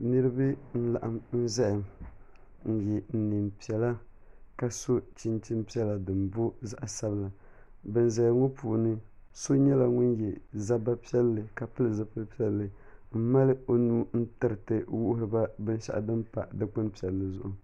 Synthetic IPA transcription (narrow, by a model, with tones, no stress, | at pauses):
nɨ˦ɾɨ˦bɨ˦n̩˦la˨ʔa˨mn̩˦za˦jɪ˨m | n̩˨jɛ˨n̩˨nɨ˨mpi˨ɛ˨la˦ka˨so˦t͡ʃi˦nt͡ʃi˦mpi˦ɛ˦la˨dɨ˨mbo˦za˦ʔa˨sa˦bɨ˦la˨ | bɨ˨nza˨jŋɔ˦puː˨nɨ˦so˦ɲɛ˦la˨ŋʊ˦njɛ˨za˦ba˦pi˦ɛ˦lːɨ˨ka˨pɨ˦lɨ˨za˦pɨ˦lpi˦ɛ˦lːɨ˨m̩˦ma˦lɨ˦o˦nuː˦n̩˦tɨ˨ɾɨ˨tɨ˨wu˦ʔʊ˦ɾɨ˨ba˦bɨ˦n˦ʃa̰˦˨ʔa̰˨dɨ˦mpa̰˨dɨ˦k͡pʊ˦npi˦˨ɛ˨lːɨ˨zʊ˨ʔʊ˨